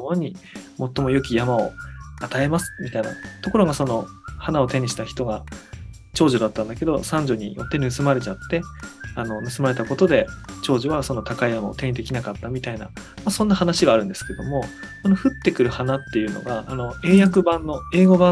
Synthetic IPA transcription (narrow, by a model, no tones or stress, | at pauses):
oɲ̟imo̞t̪ːo̞mo̞jokʲijamao̞̰at̪ae̞masɨ̥mʲit̪aina̰t̪o̞ko̞ɾo̞ɡaso̞no̞hanao̞t̪e̞ɲ̟iɕi̥t̪açi̥t̪o̞ɡa | t͡ɕo̞ːʑo̞d̪at̪ːãnd̪ake̞d̪o̞̰sãɲ̟d͡ʑo̞ɲ̟ijo̞̰t̪ːe̞nɯ̟sɨmaɾe̞t͡ɕat̪ːe̞ano̞nɯ̟sɨmaɾe̞t̪ako̞t̪o̞d̪e̞t͡ɕo̞ːʑoβaso̞no̞t̪akaijamao̰t̪e̞ɲ̟id̪e̞kʲinakat̪ːamʲit̪aina̰masõ̞nːahanaɕiɡaːɾɯ̟nd̪e̞sɨ̥ke̞d̪o̞mo̞ | so̞no̞ɸɯ̟t̪ːe̞kɯ̟ɾɯ̟hanat̪ːe̞jɯ̟no̰ɡaːno̞e̞ːjakɯ̟bãnːo̞e̞ːɡo̞bã